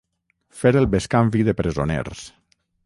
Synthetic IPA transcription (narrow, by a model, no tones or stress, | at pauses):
feɾelˠbeskaɱfiðepɾezonḛɾs